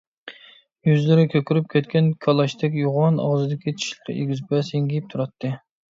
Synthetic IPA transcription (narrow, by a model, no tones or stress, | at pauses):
jyzlɪɾɪkʲʰøkʲyɾyp̚kʲɛt̪kʲɛnkʰɑlˠɑʃt̪ʰɛkʲjuʁɑnɑ̰ʁzɨd̪ɪkʲit̪t͡ʃʰi̥ʃlqḛɡʲizpɛseŋɡʲijip̚t̪ʰuɾɑt̪ʰːɨ